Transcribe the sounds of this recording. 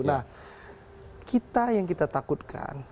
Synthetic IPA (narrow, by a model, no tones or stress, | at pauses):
nah | kit̪ajaŋkit̪at̪akut̪̚kʰa̰n